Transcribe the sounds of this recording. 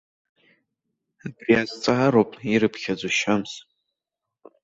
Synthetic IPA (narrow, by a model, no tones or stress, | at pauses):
abriazt͡sʼaaɾopʼiɾɨpʰχʲad͡zʷuʃams